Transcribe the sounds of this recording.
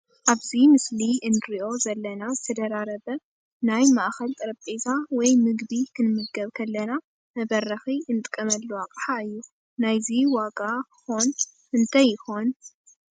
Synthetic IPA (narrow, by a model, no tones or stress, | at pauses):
ʔaβzimɨsliʔɨnːɨɾiʔo̞zɐlːɐnazɨt̪ʰɐd̪ɐɾaɾɐβɐ | najmaʔxɐlt̪ʼɨɾɐpʼet̪ʰawɔjmɨɡbikʰɨnmɨɡɐβkʰɐlːɐna | mɐβɐrːɐxiʔɨnɨt̪ʼkʼːɐmɐlːuwakʼħaɨjːu | najziwakʼakxo̞n | ɨnt̪ʰajɪxo̞n